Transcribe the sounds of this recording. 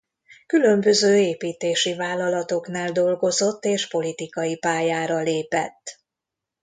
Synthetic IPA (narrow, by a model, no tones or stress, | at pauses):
kylø̞mbø̞zøːeːpiːt̪eːʃivaːlːɒlɒt̪o̞knaːld̪o̞lɡo̞zo̞t̪ːeːʃpo̞lit̪ikɒjipaːjaːɾɒleːpɛ̰t̪ː